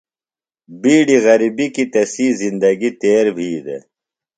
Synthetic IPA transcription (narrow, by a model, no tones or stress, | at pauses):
biːɖiɣɐɾibikit̪ɐsiːzind̪ɐɡit̪eːɾbʱiːd̪ḛ